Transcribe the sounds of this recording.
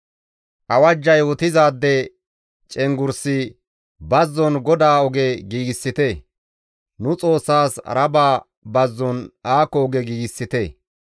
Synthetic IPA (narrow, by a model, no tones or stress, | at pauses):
ʔɐwɐd͡ʒːɐjwɔt̪ɪzaːd̪ːɛ | t͡ʃʼɛŋɡʊɾsɪ | bɐzːɔnɡɔd̪aːɔɡɛɡiːɡɪsːɪt̪e | nʊt͡sʼo̞ːsːaːsɾɐbaː | bɐzːɔnaːkːɔɔɡɛɡiːɡɪsːɪt̪e